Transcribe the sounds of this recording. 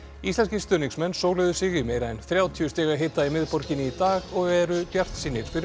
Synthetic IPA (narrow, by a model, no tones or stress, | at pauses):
ist̪lɛnscist̪œniŋsmɛnːsoːwlɛðʏsɪɣɪmeːjɾaɛnθɾjaːwt̪ʰiʏst̪ɛːɣaɦeːt̪aimɪðpɔɾcɪnɪit̪aːɣɔɣɛɾʏpjar̥t̪siːnːɪɾskvɪɾ